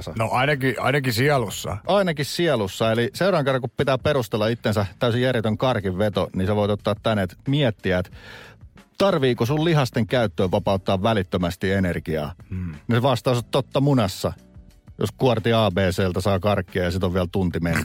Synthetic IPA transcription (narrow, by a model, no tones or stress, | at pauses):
sɑnoʔɑinɑkiɑ̰inɑkisiɑlusːɑ̰ʔɑinɑkissiɑlusːɑeliseurɑːŋkerːɑŋkuppit̪æːpperust̪elːɑit̪ːensæt̪æysijærjet̪øŋkɑrkiʋʋet̪oniseʋoit̪ot̪ːɑːt̪t̪ænet̪miɛt̪ːiæt̪ | t̪ɑrʋiːkosulliɦɑst̪eŋkæyt̪ːøːʋʋɑpɑut̪ːɑːʋʋælit̪ːømæst̪ienerɡiɑ̰ːneʋɑst̪ɑːsɑt̪t̪ːot̪ːɑmunɑsːɑjo̰skuɑrt̪iɑːbeːseːlt̪æsɑːkɑrkːiɑjɑsit̪oʋʋiælt̪unt̪imenː